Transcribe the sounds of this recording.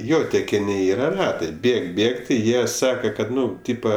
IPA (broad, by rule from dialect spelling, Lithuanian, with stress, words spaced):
ˈjoː tʲɛkʲɪˈnʲɪ ˈiːrɐ ˈrɑːtɐɪ ˈbʲeːk ˈbʲeːk tʲɪ ˈjiɛ ˈsɑːkɐ kɐt ˈnʊ ˈtʲiːpɐ